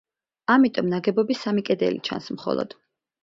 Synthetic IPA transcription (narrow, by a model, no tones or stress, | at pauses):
amit̪ʼɔmnaɡɛbɔbisamikʼɛd̪ɛ̰lḭt͡ʃʰa̰nsmχɔ̰lˠɔ̰d̪̥